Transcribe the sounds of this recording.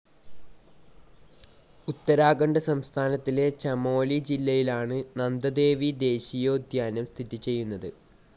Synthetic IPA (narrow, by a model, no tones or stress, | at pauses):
ut̪ːɐɾaːɡɐɳɖɐsɐmst̪ʰaːnɐt̪ːile̞t͡ɕɐmo̞ːlid͡ʑilːɐjilaːɳɨnɐnd̪ɐd̪e̞ːʋid̪e̞ːɕijo̞ːd̪jaːnɐmst̪ʰit̪it͡ɕe̞jːunːɐðɨ